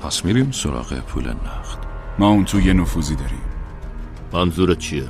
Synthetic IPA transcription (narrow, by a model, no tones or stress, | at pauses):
pʰæsmiɾiːmsoɾɒ̰ːɣḛpʰṵːlḛnæxt̪mɒːunt̪ʰujenufuːziːd̪ɒɾḭm | mænzuɾet͡ʃʰie